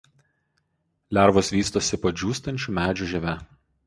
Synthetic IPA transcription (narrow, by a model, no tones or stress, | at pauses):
lʲæˑɾʋosʋʲiːst̪oːsʲɪpɐd͡ʒʲuːst̪ɐnʲt͡ʃʲumʲæːd͡ʒʲuˑʒʲɛʋʲɛ